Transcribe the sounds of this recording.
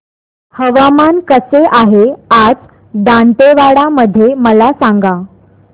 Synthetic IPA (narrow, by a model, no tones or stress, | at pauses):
həʋamankəseʔaɦead͡z | d̪ãɳʈ̪eʋaɽaməd̪ʱːjeməlasaŋɡa